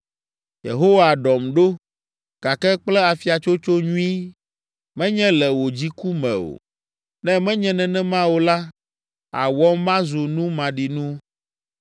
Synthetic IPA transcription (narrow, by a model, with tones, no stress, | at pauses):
jḛ˨ɦo˦wa˨ɖɔ˨mɖo˦ | ɡ̥a˨kɛ˦k͡plɛ˦a˨fi˨a˨t͡ʃo˦t͡ʃo˦ɲũ˦i˦ | mɛ̃˦ɲɛ̃˦lɛ˨wo˨d͡ʑi˦ku˦mɛ̰̃˨o̰˨ | nɛ̃˦mɛ̃˦ɲɛ̃˦nɛ̃˨nɛ̃˦mã˦wo˨la˦ | a̰˨wɔ˦mmã˦zo˨nũ˦mã˨ɖi˨nũ˦